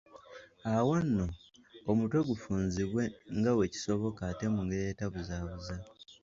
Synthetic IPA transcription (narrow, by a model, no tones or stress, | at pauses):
awanːo̞ː | mutwe̞ɡufuːnziβwe̞ŋɡawe̞ci̥so̞βokate̞muŋɡejetaβuzaːβuza